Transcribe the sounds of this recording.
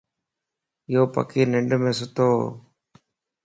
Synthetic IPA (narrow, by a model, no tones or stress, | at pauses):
joːpɐ̰kiːneɳɖumesut̪oː